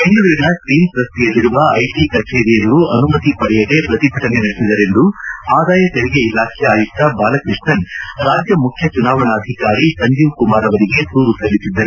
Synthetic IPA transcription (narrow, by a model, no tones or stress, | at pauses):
eɳɖuʋɐɾinɐsʈiːnsɾɐst̪ijɐlːiɾuʋɐɐjʈikɐt͡ʃeːɾijɐʋɐɾuɐnumɐt̪ipɐɽɛjɐd̪e̞pɾɐt̪ibʱɐʈɐnenɐɽesid̪ɐɾe̞nd̪uaːd̪aːjɐt̪eɭiɡeilaːkʰɛjaːjut̪ːɐbaːlɐkɾiʂɳɐnɾaːd͡ʒjɐmukʰjɐt͡ʃunaːʋɐnaːd̪ʱikaːɾisɐnd͡ʒ̪uːʋkumaːɾɐʋɐɾiɡe̞d̪uːɾusɐlisid̪ːɐɾe